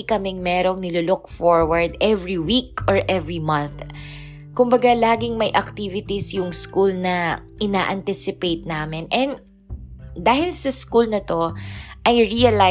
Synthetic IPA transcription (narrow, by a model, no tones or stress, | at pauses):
ikɐmɛŋmɛːɾoŋnɪlulʊkfoɹwɐɹd̪ɛvɹiwikʔɔɹʔɛvɹimɐnθ | kʊmbɐɡalaːɡɪŋmɐjʔɐk̚t̪ivɪt̪isjʊŋskulnɐʔɪnaːʔɐnt̪ɪsɪpejt̪̚naːmɪnʔɛn | d̪aːhɪlsɐskulnɐt̪o̞ʔɐjɹiɐla